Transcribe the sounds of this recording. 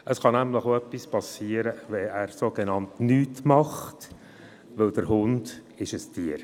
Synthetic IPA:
ʔəsχɑnæmləχoœpːispɑsiːəɾəʋɛæːɾsoːɡ̥enɑntnyːtmɑχt | ʋɵld̥əɾhʊnd | ɪʃəstiːəɾ

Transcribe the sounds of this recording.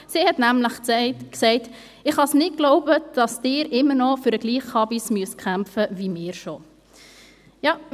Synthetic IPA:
sihɛtnæmləχksɛɪt | ɪχhɑsnɪt̚klɔʊbəd̥ɑsd̥ɪːɾɪmːəɾnɔfʏɾəɡ̥liːχhɑbismyəskʰχæmfəvimɪːɾʃo | jɑ

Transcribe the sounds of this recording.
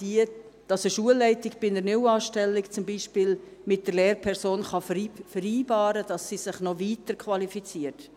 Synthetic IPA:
d̥iə | d̥ɑsəʃuəlːɛɪtɪɡb̥iɪɪnəɾnɪwɑːʃtɛlːɪkt͡sʊmbiːʃpɪːlmɪt̚d̥ərleːɾpʰɛɾsoːnχɑifəɾiːbɑːɾəd̥ɑsːisɪχnɔviːtəɾkʰvɑlifit͡siːət

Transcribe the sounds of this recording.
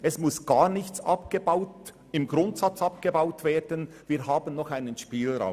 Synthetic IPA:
ɛsmʊsɡ̥aːʁnɪçt͡sɑpɡ̥əbaʊt | ɪmɡɾʊntsɑt͡sɑp̚ɡ̥əbaʊtv̥eːɾdən | viːhaːbənnɔχaɪnənʃpiːlra̰ʊ

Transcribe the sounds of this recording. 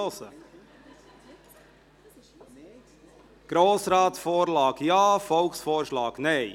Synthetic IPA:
ɔsə | ɡ̥ɾoːsɾɑːtsfoːɾlɑːkjɑːfɔlksfoːɾʃlɑːɡnɛɪ

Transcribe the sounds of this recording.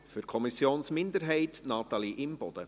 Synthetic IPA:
fʏɾkʰɔmisjoːnsmɪnd̪əɾɦɛɪt̪nɑːt̪ɑliʔɪmb̥ɔd̥̪ə̰

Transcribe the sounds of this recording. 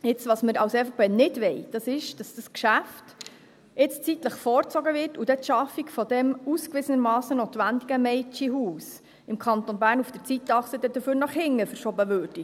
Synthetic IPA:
ɪt͡sʋɑsməɾɑwsɛfəpɛnɪdʋɛɪd̥ɑsɪʃd̥ɑsd̥ɑskʃæft | ɪt͡st͡sitləχfɔːɾt͡sɔɡəʋɪrtud̥̪ɛtʃɑfikfɔd̪ɛmuskʋɪsənəɾmɑːsənoːt̪ʋændiɡəmɛɪt͡ʃiɦuːs | ɪmkʰɑnt̪ɔnbæːɾnufd̥̪ət͡sitːɑχsəd̪ɛd̥̪əføːɾnɑχhɪŋːəfəɾʃɔbəvøːrd̥i

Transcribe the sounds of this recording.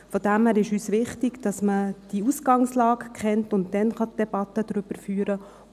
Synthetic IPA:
fɔdæmhæːɾɪʃyːsʋɪχtɪɡd̥ɑsməd̥iusɡ̥ɑŋslɑːkkχɛntʊnttɛnχɑt̚d̥ɛb̥ɑtəd̥ɾʏb̥əɾfyːɾə

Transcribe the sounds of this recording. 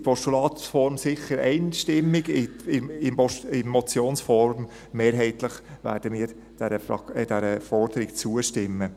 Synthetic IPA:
pʰɔʃtulɑːt̪fɔɾmsɪχəɾɛ̰ɪnʃtɪmːɪɡɪɪɪɔɪnmɔt͡sjoːnsfɔɾmː | eːɾɦɛɪt̪ləχʋæ̰ːɾd̥əmiːɾ | d̥ɛɾəɑ̰d̥æɾəfɔɾd̥əɾɪkt͡suəʃtɪmːə

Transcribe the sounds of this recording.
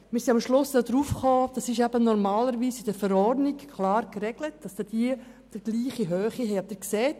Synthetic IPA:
mɪɾsiɑmʃlʊsdodɾuːfχoːd̥ɑsɪʃɛbənɔɾmaːləɾʋiːsid̥əɾfəɾɔɾnikkʰlɑːɾkɾɛɡ̥lət̚d̥ɑsd̥ad̥iə | d̥əɾɡ̥liːχiɦøːχiɦɛjɑb̚d̥̪əɾkseːt

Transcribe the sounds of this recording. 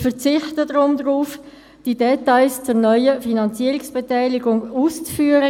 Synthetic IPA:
fəʁt͡sɪχtədʁʊmdʁuːf | d̥idɛtaɪst͡sʊɾnœʏəfinɑnt͡siəɾɪksb̥ɛtɛɪlɪɡʊŋuːst͡sfyːəɾə

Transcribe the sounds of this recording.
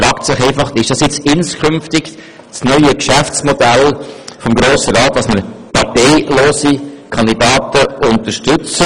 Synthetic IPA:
ɾɑktt͡sɪχeɪfɑχtɪʃd̥ɑsɪt͡sɪnskʰʏmftɪɡ | snœʏəkʃæft͡smɔd̥̪ælfɔmɡɾoːsəɾɑːt̚dɑsməɾpʰɑɾteɪloːsikʰɑnd̪idɑːt̪əʔʊnt̪əʃtʉt͡s

